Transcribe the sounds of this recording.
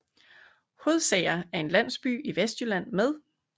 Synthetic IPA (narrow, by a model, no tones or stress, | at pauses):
ho̝ð̞ˠsɛːɪɐæɐe̝nlæn̰sb̥y̰ːiʋesd̥jylæn̰með̞ˠ